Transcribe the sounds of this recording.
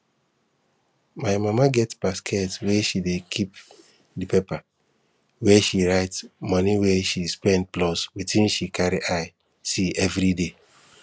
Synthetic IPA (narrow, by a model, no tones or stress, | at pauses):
maɪmamaɡɛtbaskʰɛtwɛʃidekʰip | dipepa | wɛʃiɹaɪtsmɔniwɛʃispɛ̃nd̚plɔswitĩnʃikʰaɾiʔaɪ | siɛvɾide